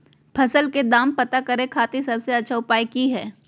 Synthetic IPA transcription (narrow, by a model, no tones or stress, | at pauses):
pʰɐsəlked̪aːmpɐt̪akɐɾẽkʰaːt̪isɐbseɐtːʃʰaʊpaːikiɦɛː